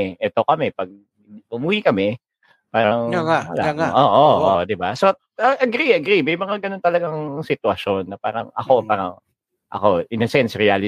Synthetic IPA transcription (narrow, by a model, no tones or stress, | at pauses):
ʔɛt̪okɐmɛpɐɡ̚ | mʊmuːjikɐmɛ | paːɾɐŋaɐla̰ʔoːʔoʔod̪ɪbaso | ɐʔɐɡɾiɐɡɾimɐjmɐŋaɡɐno̞nt̪ɐlɐɡaŋsɪt̪wɐʃo̞nːɐpa̰ːɾɐ̰ŋɐ̰ko̞paːɾɐŋ | ʔɐ̰ko̞ʔɪnɐsɛnsɾɪaːlɪ